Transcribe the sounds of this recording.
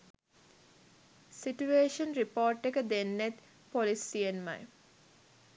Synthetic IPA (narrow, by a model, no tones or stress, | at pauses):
siʈueːʃənɾipoːɾʈːekəd̪enːet̪ | polisienma̰j